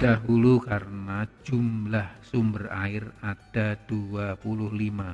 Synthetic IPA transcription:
d̥aɦulukarənad͡ʒumlahsumbəraɪrad̥ad̥uapulʊhlima

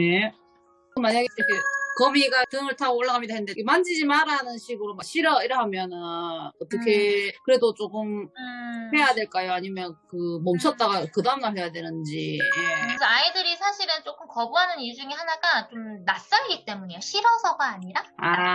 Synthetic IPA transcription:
je̞ | ɯmaɲaɡekʰekʌmiɡatɯŋɯɭtʰaɡooɭːaɡamɲidaɦenɯndekʰemand͡ʑid͡ʑimaɾanɯnɕʰiɡɯɾomakɕʰiɾʌiɾɦamjʌnɯʌt͈ʌkʰe̞kɯɾe̞dot͡ɕ͈ok͈ɯm | ɸwe̞jadwe̞ɭk͈ajoaɲimjʌnkɯmʌmt͡ɕʰʌt̚t͈aɡakɯdaumnahwe̞jadwe̞nɯnd͡ʑije̞sʰʌaidɯɾisʰaɕʰiɾɯnt͡ɕ͈ok͈ɯmkʌbuɦanɯniɭd͡ʑuŋihanaɡat͡ɕomnas͈ʌnɡit͈e̞muɲejoɕʰiɾʌsʰʌɡaːɲiɾaa

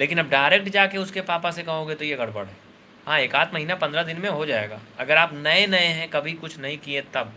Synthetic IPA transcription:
leːkɪnɐb̚ɖaːɪɾek̚ʈd͡ʒaːkeʊskepaːpasekɐɦõːɡet̪ojeɡɐɽbɐ̰ɽɦɛː | ɦãːeːkaːt̪ʰmɐɦiːnapɐ̃nd̪ɾad̪ɪnmẽɦod͡ʒaːḛːɡa̰ːɐɡəɾaːpnɐenɐeɦɛ̃kɐbʱikʊt͡ʃʰnɐɦĩkiet̪ɐb̚

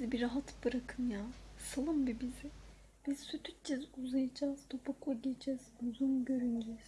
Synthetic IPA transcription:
zibiɾaɦat̪bɯɾakʰɯmjaːsalˠɯmbibizi | b̥izsyt̪ʰyt͡ʃt͡ʃizuzajad͡ʒaːz̥t̪ʰopʰaklˠaɟed͡ʒʰɛz̥uzunɟøɾynɟiz̥

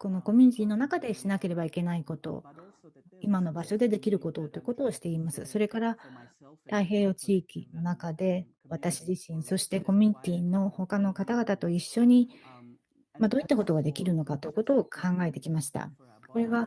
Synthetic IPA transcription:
ko̞no̞ko̞mʲyɲ̟it̪ʲiːnːo̞nakad̪e̞ɕinake̞ɾe̞baike̞naiko̞t̪o̞̰ | imano̞baɕo̞d̪e̞d̪e̞kʲiɾɯ̟ko̞t̪o̞t̪ːojiɯ̟ko̞t̪o̞ːɕi̥t̪e̞imasɨ̰so̞ɾe̞kaɾa | t̪aiɦe̞ːot͡ɕiːkʲḭno̞nakad̪e̞ | βat̪aɕiʑiɕĩɰ̃so̞ɕi̥t̪e̞ko̞mʲyɲ̟it̪ʲiːno̞ho̞kano̞kat̪aɡat̪at̪o̞iɕːo̞ɲ̟i | mad̪o̞ːit̪ːako̞t̪o̞ɡad̪e̞kʲiɾɯ̟no̞kat̪o̞jɯ̟ko̞t̪o̞ːkʰãŋɡae̞t̪e̞kʲimaɕi̥t̪a̰ | ko̞ɾe̞βa

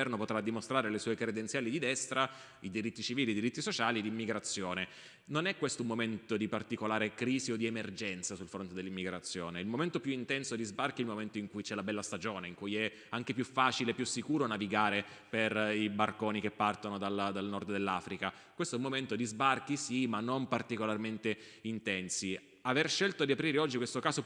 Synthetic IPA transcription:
ɛrnopot̪ɾad̪ːimost̪ɾaːɾelesɔːekɾed̪ent̪sjaːlid̪id̪ɛst̪ɾa | id̪iɾit̪ːit͡ʃiviːlid̪iɾit̪ːisot͡ʃaːlid̪imːiɡɾat̪sːjoːne | nonɛkwest̪oumːoment̪od̪ipart̪ikolaːɾekɾiːziod̪iemerd͡ʒɛnt̪sasulfɾont̪ed̪elːimːiɡɾat̪sːjoːneilmoment̪opjuint̪ɛnsod̪izbarkiɛilmoment̪oiŋkujt͡ʃɛlabɛlːast̪ad͡ʒoːneiŋkujɛ | aŋk̟epjufːaːt͡ʃilepjusːikuːɾonaviɡaːɾe | peribarkoːnikepːart̪onod̪ald̪alnɔrd̪d̪elːaːfɾika | kwest̪oɛumːoment̪od̪izbark̟isimanːompart̪ikolarment̪eint̪ɛnsi | averʃelt̪od̪iapɾiːɾeɔd͡ʒːikwest̪okaːzo

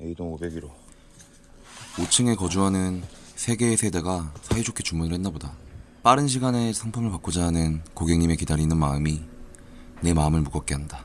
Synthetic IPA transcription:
eidoŋobeɡiɾo | ot͡ɕʰɯŋe̞kʌd͡ʑuɦanɯn | sʰe̞ɡe̞sʰe̞de̞ɡasʰaid͡ʑʰokʰet͡ɕuŋmunɯɭhe̞nːaboda | p͈aɾɯnɕʰiɡane̞sʰaŋpʰaŋɯɭpak͈od͡ʑaɦanɯnkoɡe̞ŋɲime̞kidaɾinɯnmaɯmi | ne̞maɯmɯɭmuɡʌk͈e̞ɦanda

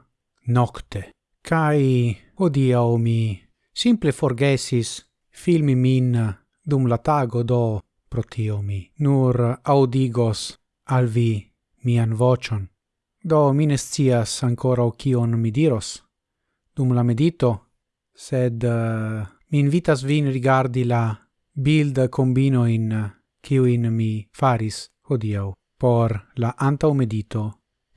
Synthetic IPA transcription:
nokt̪e | kʰaj | hod̪iawmi | simplefoɾɡesis | filmimin | d̪umlat̪aɡod̪o | pɾot̪ʰiominuɾawd̪iɡos | alvi | mianvot͡ʃon | d̪ominest͡siasaŋkoɾawkionmid̪iɾo̞s | d̪̥umlame̞dito̞ | sed̪ | miːnvitas̬vinɾiɡaɾdila | bild̪kombinojn | kiujnmifaɾis | hod̪iaw | po̞ɾlaʔantawme̞dit̪o

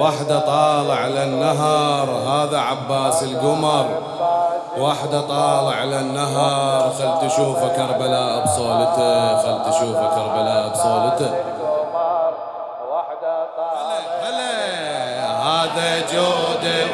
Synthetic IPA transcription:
waħd̪at̪ˤɑːlɪʕlanːaɦɑɾˤɦaːðaʕabːaːsɪlɡʊmɑɾˤ | waħd̪at̪ˤɑːlɪʕlanːaɦɑɾˤxalːt̪aʃuːfakɑɾˤbalaːʔbsˤoːlɪt̪axalt̪aʃuːfakɑɾˤbalaːʔbsˤoːlɪt̪a | alxale | haːðad͡ʒoːd̪a

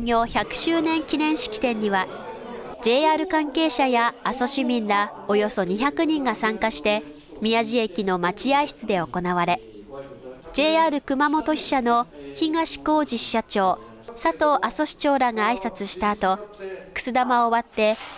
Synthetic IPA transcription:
oçakɯ̟̥ɕɨːnẽ̞ŋkʲinẽ̞ɰ̃ɕi̥kʲi̥t̪ẽ̞ɲ̟ːiβa | d͡ʑe̞ːaːɾɯ̟kãŋke̞ːɕajaːso̞ɕimʲĩnɾao̞jo̞so̞ɲ̟içakɯ̟ɲ̟ĩŋɡasãŋkaɕi̥t̪e̞ | mʲiaʑie̞kʲino̞mat͡ɕiaiɕi̥t͡sɨd̪e̞o̞ko̞naβaɾe̞ | d͡ʑe̞ːaːɾɯ̟kɯ̟mamo̞t̪o̞ɕi̥ɕano̞çiŋɡaɕi̥ko̞ːʑiɕi̥ɕat͡ɕo̞ː | sat̪o̞ːʔaso̞ɕi̥t͡ɕo̞ːɾaɡaːisat͡sɨɕi̥t̪aːt̪o̞kɯ̥t͡sɨd̪amaoβat̪ːe̞

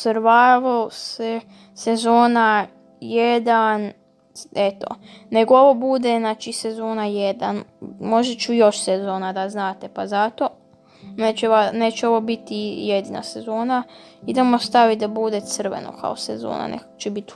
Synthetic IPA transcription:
sɾʋaːʋaose | sezoːna | jed̪an | et̪o̰neɡooʋo̞bud̪eznaːt͡ʃisezoːnajed̪a̰nmo̞ʒet͡ʃujo̞ʃsezo̞ːnad̪aznaːt̪e̞pazat̪o̞ | net͡ʃeʋanet͡ʃeo̞ʋo̞bit̪ijed̪ina̰sezo̞ːnaid̪emost̪aʋid̪abud̪e̞t̪sɨr̩ʋḛno̰kʰa̰osezo̰ːna̰nḛkt͡ʃebit̪

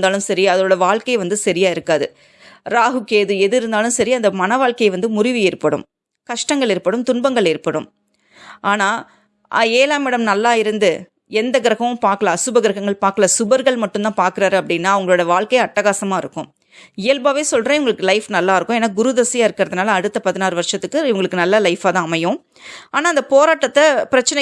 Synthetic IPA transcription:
nd̪aːlɯmsɐɾiɐðɐoːɽɐʋaːɭkɐɪʋɐnd̪ɯsɐɾɪjaːɪɾɯkːaːðɯ | ɾaːɦɯkeːðɯɛðɯɾɯnd̪aːlɯmsɐɾiɐnd̪ɐmɐnɐʋaːɭkɐjʋɐnd̪ɯmʊɾɪʋɪɪɾɯpːɐɽɯ̰m | kɐʂʈɐŋɡɐɭɪɾɯpːɐɽɯmt̪ʊnbɐŋɡɐɭɪɾɯpːɐɽɯm | ʔaːnaː | ʔaːeːlaːmɪɽɐmnɐlːaːɪɾɯnd̪ɯ | ɛnd̪ɐɡɪɾɐɣɐʋɯ̃mpaːɾkɯɭaːsʊbɐɡɪɾɐɣɐŋɡɐɭpaːɾkɯɭasʊbɐɾɣɐɭmɐʈːɯmt̪ãːpaːɾkɯɾaːɾɯɐpːɐɽɪnːaːɐʋɐŋɡɐɭoːɽɐʋaːɭkɐjɐʈːɐɣaːsɐmaːɪɾɯkːʊ̰̃m | ɪjɛlbaːʋeːsɔlrẽːɛʋʊŋɡɐɭɯkːɯlɐɪfnɐlːaːɪɾɯkːʊ̃eːnːaːɡʊɾʊðɐsɪjaːɪɾɯkːɪɾɐðɯnaːlɐːɽɯt̪ːɐpɐðɪnaːɾɯʋɐɾʂɐt̪ːɯkːɯʋɐŋɡɐɭɯkːɯnɐlːɐlɐɪfaːt̪ãːɐmɐjʊ̃ | aːnaːɪnd̪ɐpoːɾaːʈːɐt̪ːɐpɪɾɐt͡ʃːɐnɐ

